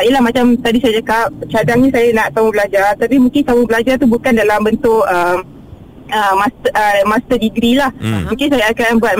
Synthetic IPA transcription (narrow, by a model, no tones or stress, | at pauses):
ijəlahmat͡ʃamt̪adisajad͡ʒakap̚t͡ʃadaŋɲasajanaʔt̪aubəlad͡ʒart̪apimũŋkɪnsamubəlad͡ʒart̪ubukandalambənt̪ʊkəm | əmast̪əmast̪ərdiɡɾilahmũkɪnsajaːkanbuat̪